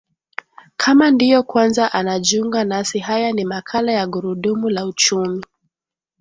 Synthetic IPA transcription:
kʰamandijɔkwanzaʔanaʄuŋɡanasihajanimakʰalajaɠuɾuɗumulaut͡ʃumi

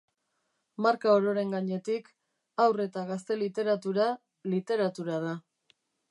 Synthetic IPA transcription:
maɾkaoɾo̞ɾe̞ŋɡaɲe̞t̪ik | awre̞t̪aɣast̪e̞lit̪e̞ɾat̪uɾa | lit̪e̞ɾat̪uɾað̞a

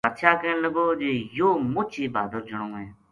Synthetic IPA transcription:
ət̪ʃʰaːkeːnləɡoːd͡ʒeːjoːmʊt͡ʃʰiːbaːd̪əɾd͡ʒəɳõːɦeː

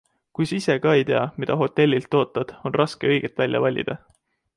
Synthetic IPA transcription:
kujsise̞kɑe̞jt̪eɑmid̪̥ɑɦo̞t̪ːe̞lʲːilt̪ːo̞ːt̪ːˑɑd̪̥o̞nrʔɑske̞ɤ̞jɡ̥et̪vælʲːjɑ̰vɑlʲːḭd̪̥ɑ

